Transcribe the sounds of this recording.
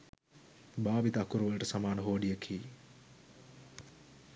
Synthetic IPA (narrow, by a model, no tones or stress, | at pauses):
baːbit̪əakuɾuʋələʈəsamaːnəɦoːɖijəkʰiː